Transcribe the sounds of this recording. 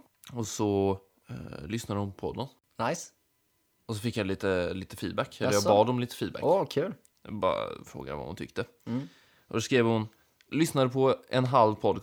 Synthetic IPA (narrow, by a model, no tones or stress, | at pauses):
ɔsɔ | lʏsnad̪əhʊnpɔpʰɔd̪ən | najs | ɔsɔfɪkːjaliːt̪əliːt̪əfiːd̪̚bækːɛlːəjɑɡbɑːd̪ɔmliːt̪ə̥fiːd̪bæ̰ʔkʰʉːl | jbɑ̰ɾa̰fɾo̰ːɡa̰va̰hʊ̰nt̪ʰʏ̰kt̪ə | ʔɔd̪ɔskɾeːvhʊn | lʏsnad̪əpʰɔɛnɦalvpʰɔd̪